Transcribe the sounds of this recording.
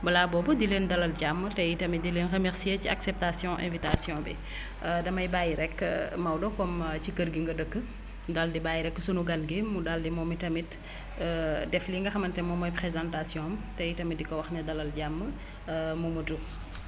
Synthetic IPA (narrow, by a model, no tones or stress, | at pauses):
bɐlaːbɔːbɐdileːndɐlɐlɟamːətɛjitɐmidileːnrəmɛɾsiecia̰ksɛp̚tasjɔ̃ʔɛ̰̃vitasjɔ̃bɛ̰ | dɐmɐjbajɾɛkːmɐwdɔkɔmcikəɾɡiŋɡɐdəkːə | daldibajɾɛkːəsunuɡɐnɡemudaldimɔmitɐmit | dɛfliŋɡɐxɐmɐntɛmɔmɔjpχezãntasjɔ̃ːmtɛjitɐmit̚dikɔwɐxnɐdɐlɐlɟamːə | mumutu